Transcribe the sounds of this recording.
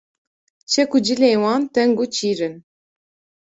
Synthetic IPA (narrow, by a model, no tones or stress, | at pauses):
t͡ɕʰekud͡ʑilejwɑːnt̪ɛŋɡut͡ɕiːɾɨn